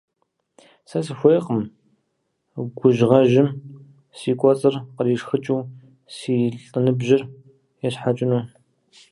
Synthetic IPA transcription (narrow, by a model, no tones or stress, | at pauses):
sɐsɨxʷejqəm | ɡʷʊʒʁɐʒɪm | siːkʷʼɔt͡sʼɨrqəriːʂxɨt͡ʃʼiw | siːɬʼɨnɨbʒɪr | jɛɕħat͡ʃʼɪnuː